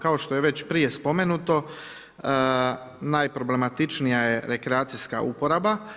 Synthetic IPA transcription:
kao̞ʃt̪o̞jeʋe̞t͡ɕpɾije̞spo̞menut̪o̞ | ə | naːjpɾo̞ble̞mat̪it͡ʃnijaje̞ɾe̞kɾeaːt̪siska̰ʔṵpo̞ɾaba

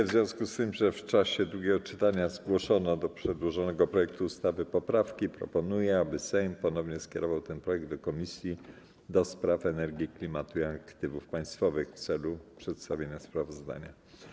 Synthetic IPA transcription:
vzʲjɔ̃w̃skust̪ɘmʐɛft͡ʂaɕɛd̪ɾuɡʲɛɡɔt͡ʂɘt̪aɲazɡwɔʂɔnɔd̪ɔpʂɛd̪wɔʐɔnɛɡɔpɾɔjɛk̚t̪uːst̪avɘpɔpɾafkʲipɾɔ̰pɔnujɛabɘsɛjmpɔnɔvɲɛskʲɛ̰ɾɔvawt̪ɛnpɾɔjɛɡ̚d̪d̪ɔkɔmʲisʲji | d̪ɔspɾafɛnɛɾɡʲiklʲimat̪uiakt̪ɘvufpaj̃st̪fɔvɘxft̪sɛlupʂɛt̪st̪avʲjeɲaspɾavɔzd̪a̰ɲa

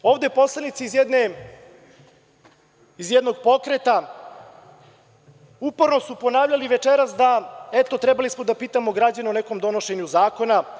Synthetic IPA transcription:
o̞ːʋd̪e̞po̞slˠanit̪sizjed̪ne | izjed̪no̞ɡpo̞kɾet̪a | upo̞ɾno̞supo̞naːvʎaliʋe̞t͡ʃeɾasd̪aet̪o̞t̪ɾebalismo̞d̪apiːt̪amoɡɾad͡ʑaneoneko̞md̪o̞no̞ʃe̞ɲuzaːko̞na

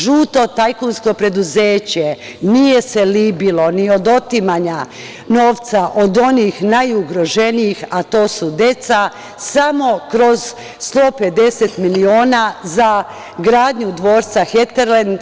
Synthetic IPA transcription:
ʒuːt̪o̞t̪ajkunsko̞pɾe̞d̪uzeːt͡ɕe | nije̞se̞libilo̞niod̪o̞t̪imaɲa | no̞ːʋt̪saʔod̪o̞niːxnajuɡɾo̞ʒe̞niixat̪o̞ːsud̪e̞t̪sa | samo̞kɾo̞z | st̪o̞ːpe̞d̪e̞set̪milioːnaza | ɡɾaːd̪ɲud̪ʋo̞ːɾt̪saxet̪eɾland̪

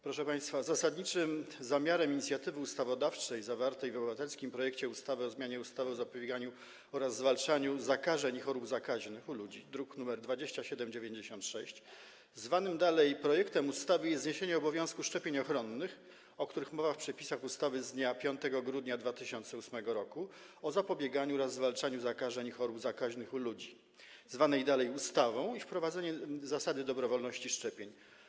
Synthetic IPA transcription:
pɾɔʂɛpaj̃st̪fazasad̪ɲit͡ʂɘmzamʲaɾɛmiɲit̪sʲjat̪ɘvɘust̪avɔd̪aft͡ʂɛjzavaɾt̪ɛjvɔbɘvat̪ɛlskʲimpɾɔjɛkt͡ɕɛust̪avɘɔzmʲjaɲɛust̪avɘɔzapɔbʲjeɛɡaɲu | ɔɾazːvalt͡ʂaɲuzakaʐɛɲixɔɾubzakaʑnɘxulud͡ʑid̪ɾuknumɛɾd̪vad͡ʑeɕt͡ɕaɕɛd̪ɛmd͡ʑevʲjeɲd͡ʑeɕɔ̃nt̪ʂɛɕt͡ɕ | zvanɘmd̪alɛjpɾɔjɛkt̪ɛmust̪avɘjɛzɲeɕeɲɛɔbɔvʲjɔ̃w̃skuʂt͡ʂɛpʲjeɲɔxɾɔnːɘx | ɔk̚t̪uɾɘxmɔvafpʂɛpʲisaxust̪avɘzd̪ɲapʲjɔnt̪ɛɡɔɡɾud̪ɲad̪vat̪ɘɕɔnt̪sɛusmɛɡɔɾɔkuɔzapɔbʲjɛɡaɲuɾazːvalt͡ʂaɲuzakaʐɛɲixɔɾubzakaʑnɘxulud͡ʑi | zvanɛjd̪alɛjust̪avɔ̃w̃ifpɾɔvad̪zɛɲɛzasad̪ɘd̪ɔbɾɔvɔlnɔɕt͡ɕiʂt͡ʂɛpʲjeɲ

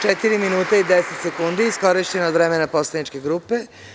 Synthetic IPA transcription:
t͡ʃet̪iɾiminuːt̪aid̪eset̪se̞kund̪iːsko̞ɾiʃt͡ɕenaod̪ʋɾemenapo̞slˠad̪nit͡ʃke̞ɡɾuːpe

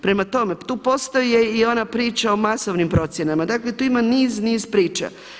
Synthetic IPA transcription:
pɾe̞mat̪o̞me̞t̪uːpo̞st̪oije̞io̞napɾiːt͡ʃao̞masoʋnimpɾo̞t̪sje̞namad̪aklet̪uːimaniːzniːzpɾiːt͡ʃa̰

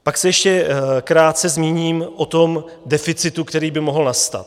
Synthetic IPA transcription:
paksɛjɛʃcɛkɾaːt̪̚t͡sɛzmiːɲiːmʔot̪o̞m | dɛfɪt͡sɪt̪ukt̪ɛɾiːbɪmo̞ɦl̩nast̪a̰t̪

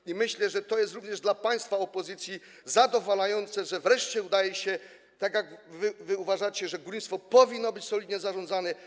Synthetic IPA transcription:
imɘɕlɛʐɛt̪ɔjɛst̪ɾuvɲɛʐd̪lapaj̃st̪faɔpɔzɘt̪sʲji | zad̪ɔvalajɔnt̪sɛʐɛvɾɛʂt͡ɕɛud̪ajɛɕɛ | t̪aɡʲjaɡvɘvɘuvaʐat͡ɕɛʐɛɡɾuɲʲst̪fɔpɔvʲinːɔbɘt͡ɕsɔlʲid̪ɲɛzaʐɔnd̪zanɛ

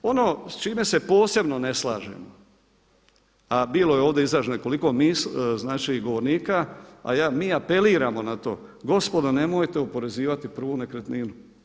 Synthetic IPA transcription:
o̞noːst͡ʃiːme̞se̞po̞ːse̞bno̞ne̞slˠaːʒḛmo | abiːlo̞jeoːʋd̪e̞izɾaʒneko̞liko̞miːsznaːt͡ʃiɡo̞ʋo̞ɾniːkaa̰jaːmiːape̞liːɾamo̞nat̪o̞̰ːɡo̞spo̞d̪ane̞mojt̪e̞upo̞ɾe̞ziːʋat̪ipr̩ʋunekɾet̪niːnu

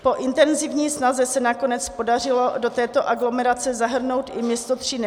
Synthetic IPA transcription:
po̞ʔɪnt̪ɛnzɪvɲiːsnazɛsɛnako̞nɛt͡spo̞dar̝ɪlo̞do̞t̪ɛːt̪o̞ʔaɡlo̞mɛɾat͡sɛzaɦr̩no̞wt̪ɪmɲɛst̪ot̪r̝̥ɪn

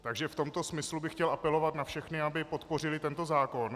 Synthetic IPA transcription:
t̪aɡʒɛft̪o̞mt̪o̞smɪslubɪxcɛlʔapɛlo̞vat̪nafʃɛxnɪabɪpo̞t̪po̞r̝ɪlɪt̪ɛnt̪ozaːko̞n

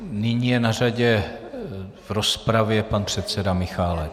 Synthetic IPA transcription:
nɪɲiːjɛnar̝aɟɛ | vɾospɾavjɛpanpr̥ɛt̪sɛdamɪxaːlɛ

